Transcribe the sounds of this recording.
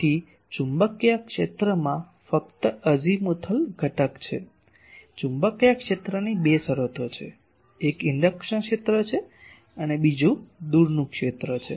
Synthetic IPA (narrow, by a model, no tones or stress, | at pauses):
i | t͡ʃumbəkjakʃet̪ɾəmã | fək̚t̪əəd͡ʒimut̪ʰəlɡʱəʈəkt͡ʃʰḛ | t͡ʃumbəkjakʃet̪ɾənibesəɾət̪ʰot͡ʃʰḛ | ekɪɳɖəkʃənkʃet̪ɾət͡ʃʰe | ənebid͡ʒũd̪uɾnũkʃet̪ɾət͡ʃʰe